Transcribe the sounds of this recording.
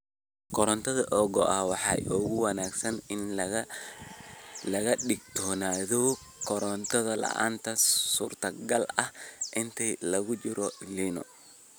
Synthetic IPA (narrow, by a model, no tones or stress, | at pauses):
kʰɔɾɔnt̪ʰɐðɐʔɔːɡɔʔɐhwɑħɑ̰ːʔɔːɣʊwɐnaːɡsɐnɪn | lɐɣɐɗɪɡ̚t̪ʰɔːnaːðɔ | kʰɔɾɔnt̪ʰɔðɐlɐ̰ʔa̰ːnt̪ʰɐsuːrt̪ʰɐɡɐlɐhʔɪnt̪ʰilɐɣʊt͡ʃɪɾɔliːnɔ̰